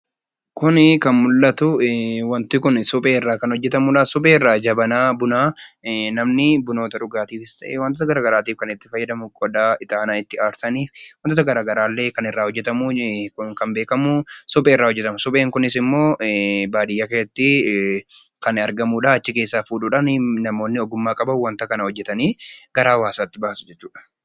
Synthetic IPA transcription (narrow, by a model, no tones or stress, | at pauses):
kʊnɪkɐnmʊlːɐt̪ʊwɐnt̪ɪkʊnsʊpʼeːɪrːaːkɐnhɔd͡ʒːɛt̪ɐmuːᶑaːsʊpʼe̞ːɪrːaːd͡ʒɐbɐnaːbʊnaːnɐmnɪbʊnoːt̪ɐᶑʊɡaːt̪iːfɪst̪ɐʔewɐnt̪ɔːt̪ɐɡɐɾaːɡɐɾaːt̪iːfkɐnɪt̪ːɪfɐjːɐd̪ɐmʊkʼɔd̪aːɪt̪aːnaːɪt̪ːɪaːɾsɐniːfwɐnt̪oːt̪ɐɡɐɾaːɡɐɾaːlːe̞ːkɐnɪrːaːhɔd͡ʒːɛt̪ɐmuʊkɐmbe̞ːkɐmusʊbʼeːɪrːaːhɔd͡ʒːɛt̪ɐmʊsʊbʼeːŋkʊnɪsɪmːo̞ːbaːd̪ɪjːakɐjɛt̪ːɪ | kɐnɐɾɡɐmuːᶑaːɐt͡ʃːɪke̞ːsːaːfuːᶑuːᶑɐnnɐmo̞ːnːɪɔɡʊmːaːkʼɐbɐwɐnt̪ɐkɐnɐhɔd͡ʒːɛt̪ɐniːɡ̥ɐɾaːwaːsaːt̪ːɪbaːsʊ̥d͡ʒɛt͡ʃːuːᶑɐ̥